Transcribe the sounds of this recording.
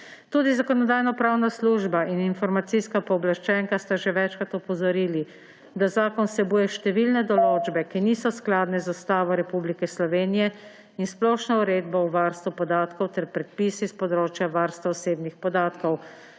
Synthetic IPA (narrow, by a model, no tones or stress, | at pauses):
t̪uːd̪izakɔnɔd̪aːjnɔpɾaːwnasluːʒbaʔininfɔɾmat̪siskapɔːblaʃt͡ʃɛŋkast̪aʒɛʋɛt͡ʃkat̪ɔpɔzɔɾiːli | d̪azaːkɔnsɛbuːjɛʃt̪ɛʋilnɛd̪ɔloːd͡ʒbɛkiniːsɔsklaːd̪nɛzɔst̪aːʋɔɾɛpublikɛslɔʋeːnijɛ | insplɔːʃnauɾeːd̪bauʋaɾst̪ʋupɔd̪aːt̪kɔwt̪ɛɾpɾɛt̪̚piːsispɔd̪ɾoːt͡ʃjaʋaɾst̪ʋaɔseːbnixpɔd̪aːt̪kɔw